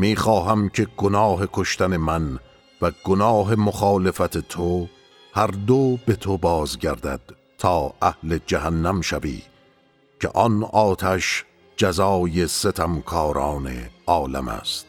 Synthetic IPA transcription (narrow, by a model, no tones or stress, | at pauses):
miːxɒːɦæmcʰe̞ɡonɒːɦe̞kʰo̞ʃt̪æne̞mæn | væɡonɑːɦe̞moxɑːle̞fæt̪ʰe̞t̪ʰo | hæɾd̪obe̞t̪ʰobɒːzɟæɾd̪æd̪̥ | t̪ʰːɒːæhle̞d͡ʒæɦænːæmʃævḭː | cʰe̞̰ʔɒnɒːt̪ʰæʃ | d͡ʒæzɒːje̞set̪ʰæmkʰɒːɾɒːne̞̰ɒːlæ̰mæ̰st̪